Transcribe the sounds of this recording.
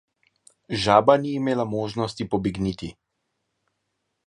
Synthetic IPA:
ʒaːbaniːmeːlamoːʒnɔst̪ipɔbiɡniːt̪i

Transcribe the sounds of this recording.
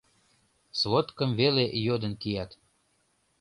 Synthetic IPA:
svot̪kə̆mvelejod̪ə̆nkijɑt̪

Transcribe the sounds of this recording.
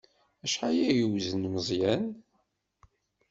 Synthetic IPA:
æʃħajæjəwzənməzˤjæn

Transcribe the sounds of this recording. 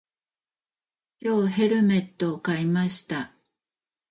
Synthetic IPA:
kʲo̞ːɦe̞ɾɯ̟me̞t̪ːo̞kaimaɕi̥t̪a

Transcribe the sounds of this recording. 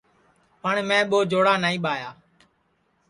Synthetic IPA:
pəɳmɛ̃ːɓoːd͡ʒoːɽaːnaːĩːɓaːjaː

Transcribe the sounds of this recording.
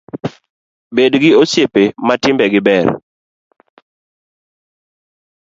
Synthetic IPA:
bedɡɪosjepematɪmbɛɡɪbɛr

